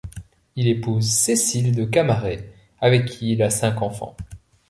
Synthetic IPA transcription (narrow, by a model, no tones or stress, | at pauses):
ilepuzsesild̪əkamaʁe | avɛkʲʰːiːlasɛ̃kɑ̃fɑ̰̃